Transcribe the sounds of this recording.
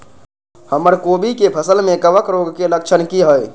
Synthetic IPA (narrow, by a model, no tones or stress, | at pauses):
həməɾkobʱikepʰəsəlmẽkəʋəkɾoɡkelək̚t͡ʃʰənkiɦəj